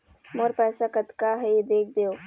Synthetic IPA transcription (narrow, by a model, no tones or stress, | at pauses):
moɾpɛːsakət̪kaɦɛd̪eːk̚ʰd̪eo